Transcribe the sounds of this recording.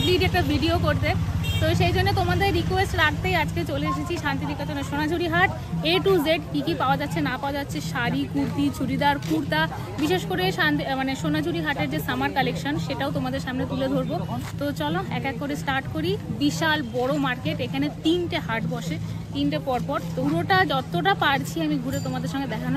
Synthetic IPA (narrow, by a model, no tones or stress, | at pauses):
bliʈɛk̚ʈabʱiɖiokoɾt̪et̪oʃejd͡ʑonːet̪omad̪eɾːikwesʈɾakt̪ejad͡ʑket͡ɕoleeʃ̬et͡ɕʰiʃant̪id̪ikot̪oneʃonad͡ʑuɾiɦaʈ | eʈud͡ʑeɖkikipaoad͡ʑatːɕʰenapaoad͡ʑatːɕʰeʃaɾikuɾt̪it͡ɕuɾid̪aɾkʰuɾt̪a | biʃeʃkoɾeʃanmaneʃonad͡ʑʱuɾiɦaʈeɾd͡ʑesamaɾkalekʃonʃeʈaot̪omad̪eɾʃamnet̪uled̪ʱoɾbot̪ot͡ɕɔloɛkɛk̚poɾesʈaɾʈkoɾibiʃalbɔɽomaɾkeʈekʰanet̪inʈeɦaʈbɔʃe | t̪inʈepɔɾpɔɾt̪oɾoʈad͡ʑɔt̪oʈapaɾt͡ɕʰiamiɡʱuɾet̪omad̪eɾʃɔŋɡed̪ɛkʰano